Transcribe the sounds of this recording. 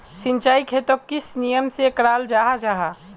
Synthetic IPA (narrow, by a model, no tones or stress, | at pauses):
sɪ̃nt͡ʃaːikʰeːt̪okɪsnijəmsekɾaːld͡ʒaːɦad͡ʒaːɦa